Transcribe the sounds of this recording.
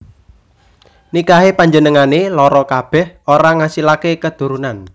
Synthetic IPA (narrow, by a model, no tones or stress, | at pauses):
nikaɦepaɲd͡ʒənəŋanelɔɾɔkab̥ɛ̤hoɾaŋasilakekəd̪̥ṳɾunan